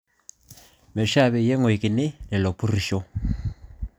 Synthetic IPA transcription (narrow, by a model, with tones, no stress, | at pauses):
me˨ʃa˦˨βɛ˨je˦ŋwe˨ki˨ne˦nɛ˨lo˨pu˦ri˨ʃɔ˦